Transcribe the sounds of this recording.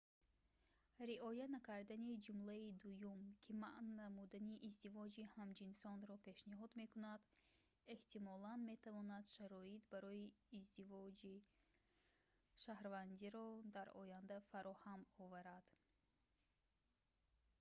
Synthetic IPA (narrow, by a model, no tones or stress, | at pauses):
ɾiʔɔjanakʰaɾd̪anid͡ʒumlaid̪ujumkʰimaʔnnamud̪aniʔːzd̪ivɔd͡ʒihamd͡ʒinsɔnɾɔpʰe̞ʃniɦɔd̪me̞kunad̪ | e̞ht̪imɔlanme̞t̪ʰavɔnad̪ʃaɾɔit̪baɾɔiːzd̪ivɔd͡ʒi | ʃahɾvand̪iɾɔd̪aɾɔ̰jand̪afaɾɔhamɔvaɾad̪̥